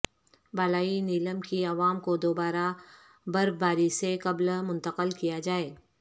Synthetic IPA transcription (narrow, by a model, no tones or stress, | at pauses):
balaːiniːləmkiɐʋaːmkod̪oːbaːɾa | bɐɾbaːɾiseqɐblmʊ̃nt̪əqəlkijad͡ʒaːeː